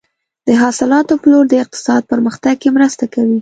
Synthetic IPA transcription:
d̪̥əɦɑsɪlɑt̪opəloɾd̪əɪq̚t̪ɪ̥sɑd̪̚pəɾməxt̪aɡ̚kemɾəst̪akawi

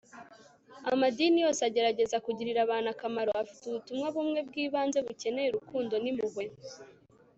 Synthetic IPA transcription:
amadinijo̞ːseaɟe̞ɾaɟe̞zakuɟiɾiɾaβaːnakamaɾo̞ʔafi̥tuβutumŋaβumŋe̞b̚ɡiːβaːnze̞βuce̞ne̞jeɾukuːndo̞nimuɡwe̞

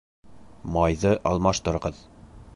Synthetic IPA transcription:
mɑjðɤʔɑlˠmɑʃt̪ɤ̆ɾʁɤð

